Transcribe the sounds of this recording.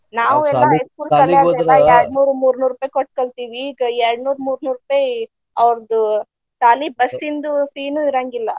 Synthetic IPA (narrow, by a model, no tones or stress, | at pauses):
naːʋuɛlːaeskuːlːɐlaɛlːɐɛɾɖnuːɾumuːɾnuːɾuːpɐjkoʈ̚ːkoɭt̪iːʋiːɡɐɛɾɽnuːɾmuːɾnuːɾupaj | ɐʋɾɐd̪u | saːlibɐsːind̪upiːnuiɾaːŋɡilːɐ